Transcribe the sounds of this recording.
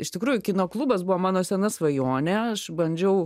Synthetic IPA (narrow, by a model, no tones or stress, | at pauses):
ɪʃt̪ʲɪkɾuːjʊkʲɪnoːklˠuːbɐsbuʋomɑːnoːsʲɛnɐsʋɐjoːnʲɛɐʃbɐnʲd͡ʒʲɛʊ